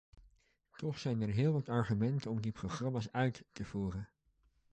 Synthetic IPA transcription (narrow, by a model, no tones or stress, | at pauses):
tɔχsɛjnɛɹɦɪːlˠʋɑtɑɹχymɛntənɔmdiproχrɑmaːsœɥtːəv̥uːrən